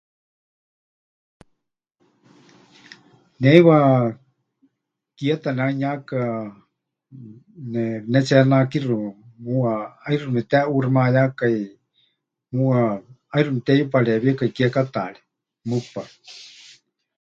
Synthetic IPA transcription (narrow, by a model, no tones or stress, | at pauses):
nɛiwa | kiat̪anɛaiɲaka | nɛnɛt͡ʃɛnakirumuaajrumɛt̪ɛʔurimajakai | mua | ajrumit̪ɛjupaɺɛβiakaikiakat̪a̰ɺɛ̥ | mupa